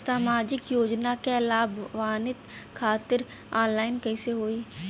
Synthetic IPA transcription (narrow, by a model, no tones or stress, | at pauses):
saːmaːd͡ʒɪkjoːd͡ʒnakelaːbʋaːnɪt̪kʰaːt̪əɾ | aːnlaːɪnkəiseɦoːiː